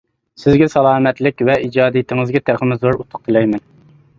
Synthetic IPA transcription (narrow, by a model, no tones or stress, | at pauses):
sɪzɡʲɛsɑlˠɑːmɛt̪lɪkʲvɛid͡ʒɑːd̪ijt̪ʰɪŋɨzɡʲɛt̪ʰæχɪmɪzuɾut̪ʰːʊ̥q̚t̪ʰɨlɛjmɛn